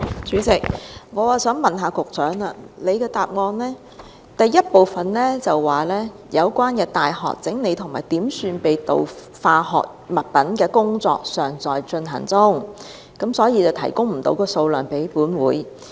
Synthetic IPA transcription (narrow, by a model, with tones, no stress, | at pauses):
t͡syː˨˥t͡sɪ˨˩k̚ŋɔː˨˧waː˨sœː˨˥ŋmɐ˨nɦaː˧kʊ˨k̚t͡sœː˨˥ŋa˧le˨˧jkɛː˧t̪aː˨p̚ŋɔː˧nlɛː˥ | t̪ɐ˨jːɐ˥t̚po˨wfɐ˨nlɛː˥t͡sɐ˨˩wːaː˨lɛː˥ | jɐ˨˧wkʷwaː˥nkɛː˧t̪aː˨jɦɔ̰ː˨k̚t͡sɪ˨˥ŋne˨˧jt̪ʰʊ˨˩ŋmaː˨˩jt̪iː˨˥msyː˧npe˨jt̪o̰˨˧w | faː˧ɦɔ̰ː˨k̚mɐ˨t̚pɐ˨˥nkɛː˧kʊ˥ŋt͡sɔ̰ː˨k̚sœː˨˩ŋt͡sɔː˨jt͡ʃɵ˧nɦɐ̰˨˩ŋt͡sʊ˥ŋ | kɐ˨˥msɔː˨˥jiː˧t͡sɐ˨wt̪ʰɐ̰˨˩jkʊ˥ŋm̩˨˩t̪o̰˨˥wkɔː˧so˧wlœː˨˩ŋpe˨˥jpuː˨˥nwuː˨˥j